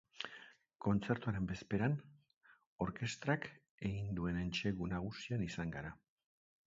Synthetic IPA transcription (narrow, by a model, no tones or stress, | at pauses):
ko̞nt͡se̞ɾt̪uaɾe̞mbe̞spe̞ɾan | o̞ɾke̞st̪ɾak | e̞ɣind̪ue̞nent͡ʃe̞ɣunaɣ̞usianisaŋɡaɾa